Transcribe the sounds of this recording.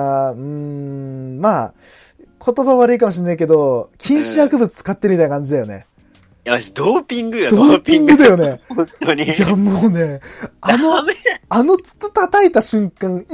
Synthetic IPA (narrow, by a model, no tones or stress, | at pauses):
ɯ̃ɴ | maː | kʰo̞t̪o̞baβaɾɯ̟ik̬amo̞ɕ̬inːaik̬e̞d̪o̞kʲʰĩɰ̃ɕijakɯ̟bɯt͡sɨ̥t͡sɨ̥kat̪ːeɾɯ̟mit̪ajnakãɲd͡ʑid̪ajo̞̰ne̞̰ | jaid̪oːpʲĩŋɡɯjod̪oːpʲĩŋɡɯ̟d̪ajo̞nehõnt̪oijamoːne̞anoano̞t͡sɨ̥t͡sɨ̥t̪at̪ait̪aɕɨ̃ŋkãŋ̃